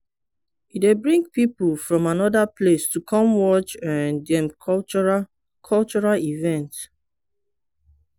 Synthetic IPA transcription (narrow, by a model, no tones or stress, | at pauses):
idebɹĩŋɡ̚pipl̩fɹɔ̃manɔdapʰlestukʰɔ̃mwɔt͡ʃãndɛ̃mkɔt͡ʃɔɹ | kʰɔlt͡ʃɔɹalivɛ̃nt